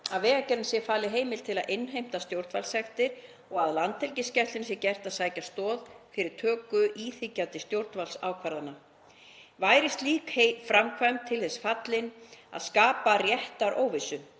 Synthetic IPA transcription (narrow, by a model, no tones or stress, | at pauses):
aðvɛːɣacɛɾɪnsjɛfaːlɪɦeːjmɪl̥t̪ʰɪlaðʔenːɦejm̥t̪ast̪jowɾt̪valsɛxt̪ɪɾ̥ | ɔɣaðlant̪ɛlcɪscɛt̪ɪns̬jɛɾcɛr̥t̪aðsaːjcast̪ɔːðfɪɾɪɾ̥t̪ʰœːkʏʔiːθɪcːawt̪ɪst̪jowɾt̪nvalsa̰ːwkʰvaɾðanːa | vaːjɾɪst̪liːkhefɾamkʰvaɥmt̪ʰɪlθɛsfat̪lɪna̰ðskaːparjɛht̪aɾʔo̰ːwvɪsʏ